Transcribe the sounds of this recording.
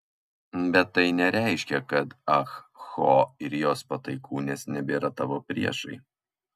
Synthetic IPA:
bʲɛt̪ːɐɪnʲɛɾʲæˑɪʃʲkʲɛkɐt̪ɐxxoːɪɾjoːspɐt̪ɐɪkʰuːnʲeːsnʲɛbʲeːɾɐt̪ɑʋoːpʲɾʲiɛʃɐɪ

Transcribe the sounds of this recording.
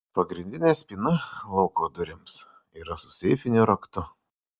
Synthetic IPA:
pɐɡɾʲɪnʲd̪ʲɪnʲeːsʲpʲiːnɐlˠɒʊkoːd̪ʊɾʲɪms | iːɾɐsʊ̥sʲɛɪfʲɪnʲuɾɐkt̪ʊ

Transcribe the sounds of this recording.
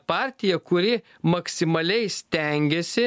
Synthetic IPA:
pɑˑɾʲt̪ʲɪjɛkʊɾʲɪ | mɐksʲɪmɐlʲɛɪsʲt̪ʲɛŋʲɡʲesʲɪ

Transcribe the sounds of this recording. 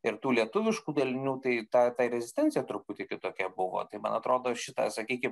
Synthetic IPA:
ɪɾt̪uːlʲiɛt̪ʊʋʲɪʃkuːd̪ɐlʲɪnʲuːt̪ɐɪt̪ɑt̪ɑːɪɾʲɛzʲɪsʲt̪ʲɛnʲtt͡sʲɪjɛt̪ɾʊpʊt̪ʲɪkʲɪt̪oːkʲɛbʊʋo̰ːt̪ɐɪmɐ̰nɐt̪ɾoːd̪oːʃʲɪt̪ɐ̰sɐkʲiːkʲɪm

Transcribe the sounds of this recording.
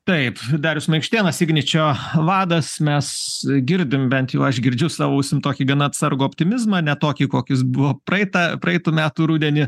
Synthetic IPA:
t̪ɐɪpd̪ɑːɾʲʊsmɐɪkʃʲt̪ʲeːnɐsʲɪɡnʲɪt͡ʃʲoːʋɑːd̪ɐsmʲɛsɡʲɪɾʲd̪ʲɪmbʲɛnt̪jɛʊɐʃɡʲɪɾʲd͡ʒʲʊsɑːʋoːʊsʲɪmt̪oːkʲiːɡɐnɐɐt̪sɐɾɡuːɔpʲt̪ʲɪmʲɪzmɐnʲɛt̪oːkʲiːkoːkʲɪs̬bʊʋoːpɾɐɪt̪ɐpɾɐɛɪt̪uːmʲæːt̪uːɾuːd̪ʲɛnʲɪ

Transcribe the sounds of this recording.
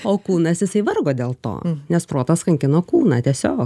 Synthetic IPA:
oːkuːnɐsjɪsɐɪʋɐrɡoːd̪ʲeːlˠt̪o̰ːnʲɛspɾoːt̪ɐskɐŋʲkʲɪnoːkuːnɑːt̪ʲiɛsʲoːk

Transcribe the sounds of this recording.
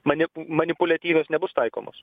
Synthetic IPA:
mɐnʲɪmɐnʲɪpʊlʲɐt̪ʲiːʋʲeːsnʲɛbʊst̪ɐɪko̰ːmo̰ːs

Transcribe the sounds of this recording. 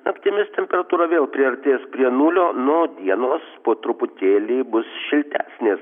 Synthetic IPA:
ɐpʲt̪ʲɪmʲɪst̪ʲɛmʲpʲɛɾɐt̪uːɾɐʋʲeːlˠpʲɾʲɪɐɾʲt̪ʲeːspʲɾʲiɛnuːlʲoːnoːd̪ʲiɛnoːspoːt̪ɾʊpʊt̪ʲeːlʲiːbʊsʃʲɪlʲt̪ʲæːsʲnʲeːs

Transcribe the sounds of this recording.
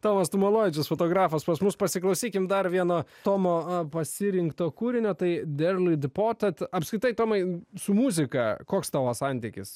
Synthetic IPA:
t̪oːmɐst̪ʊmolˠoːʋʲɪt͡ʃʲʊsfoːt̪oːɡɾɑːfɐspɐsmʊspɐsʲɪklˠɐʊsʲiːkʲɪmd̪ɐɾʋʲiɛnoːt̪oːmoːpɐsʲɪɾʲɪŋkt̪oːkuːɾʲɪnʲoːt̪ɐɪd̪ʲɛɾlʲˠid̪poːt̪ʲɛt̪ɐpskɾʲɪt̪ɐɪt̪oːmɐɪsʊmuːzʲɪkɐkoːkst̪ɑːʋɐsɐnʲt̪ʲɪkʲɪ̰s

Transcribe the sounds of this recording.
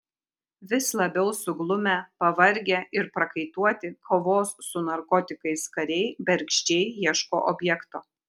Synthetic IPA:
ʋʲɪslˠɐbʲɛʊsʊɡlˠʊmʲɛpɐʋɐɾʲɡʲeːʔɪɾpɾɐkɐɪt̪uɔt̪ʲɪkʰoːʋoːsːʊnɐɾkɔt̪ʲɪkɐɪskɐɾʲɛɪbʲɛɾʲkʃʲt͡ʃʲɛɪjiɛʃko̰ːʔobʲjɛkt̪oː

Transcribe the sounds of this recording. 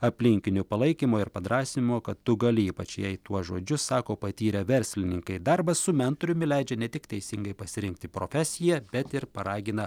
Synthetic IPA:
ɐpʲlʲɪŋʲkʲɪnʲʊpɐlˠɐɪkʲimoːɪɾpɐd̪ɾɑːsʲɪmoːkɐt̪tʊɡɐlʲɪiːpɐt͡ʃjɛɪt̪uɔsʒoːd͡ʒʲʊssɑːkoːpɐt̪ʲiːɾʲɛʋʲɛɾʲsʲlʲɪnʲɪŋkɐɪd̪ɐɾbɐssʊmʲɛnt̪oːɾʲʊmʲɪlʲɛɪd͡ʒʲɛnʲɛt̪ʲɪkt̪ʲɛɪsʲɪŋɡɐɪpɐsʲɪɾʲɪŋk̚t̪ʲɪpɾoːfʲɛsʲɪjɛb̥ʲɛt̪ɪɾpɐɾɑːɡʲɪnɐ

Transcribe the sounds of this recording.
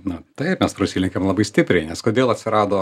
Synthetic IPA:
nʊt̪ɐɪpmʲɛspɾɐsʲilʲɪŋkʲemlˠɐbɐɪsʲt̪ʲɪpʲɾʲɛɪnʲɛskoːd̪ʲeːlˠɐt̪ʲsʲɪɾɑːd̪oː

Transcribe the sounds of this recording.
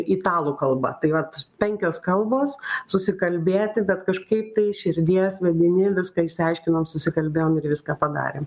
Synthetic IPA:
iːt̪ɑːlˠuːkɐlˠbɐ̰t̪ɐɪʋɐt̪pʲɛŋʲkʲoːskɐlˠboːssʊsʲɪkɐlʲbʲeːt̪ʲɪbʲɛt̪kɐʃkɐɪp̚t̪ɐɪʃʲɪɾʲd̪ʲiɛsʋʲɛd̪ʲɪnʲɪʋʲɪskɐːɪʃʲsʲɪɐɪʃʲkʲɪnoːmsʊsʲɪkɐlʲbʲeːjoːmɪrʋʲɪskɑːpɐd̪ɑ̰ːɾʲḛːm

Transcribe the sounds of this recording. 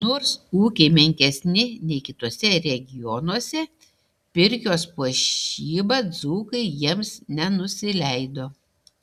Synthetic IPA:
noːɾsuːkʲeɪmʲɛŋʲkʲɛsʲnʲɪnʲɛɪkʲɪt̪uɔsʲɛɾʲɛɡʲɪjɔnuɔsʲɛ | pʲɪɾʲkʲoːspuɔʃiːbɐd̪zuːkɐɪjiɛmsnʲɛnʊsʲɪlʲɛɪd̪oː

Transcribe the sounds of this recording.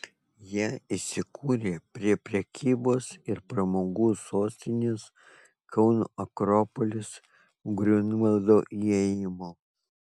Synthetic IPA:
jiɛisʲɪkʰuːɾʲeːpʲɾʲiɛpʲɾʲɛkʲʰiːboːsɪɾpɾɐmoːɡuːsoːsʲt̪ʲɪnʲes | kʰɐʊnuɐkɾɔːpɔlʲɪs | ɡɾʲʊnɐlˠd̪oːʔiɛjɪmoː

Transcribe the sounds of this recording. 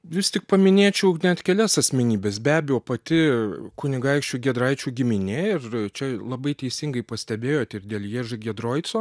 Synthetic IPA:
ʋʲɪstʲɪk̚pɐmʲɪnʲeːt͡ʃʲɛʊnʲɛt̪kʲɛlʲɛsɐsʲmʲɛnʲiːbʲeːsbʲæːbʲɛjoːpɐt̪ʲɪkʊnʲɪɡɐɪkʃʲt͡ʃʲuːɡʲɛd̪ɾɐɪt͡ʃʲuːɡʲɪmʲɪnʲɛɪrt͡ʃʲɛlˠɐbɐɪt̪ʲɛɪsʲɪŋɡɐɪpɐsʲt̪ʲɛbʲeːjoːt̪ʲɪrd̪ʲeːlʲˠjeːʒɪɡʲɛd̪ɾoːjt̪sʲoː

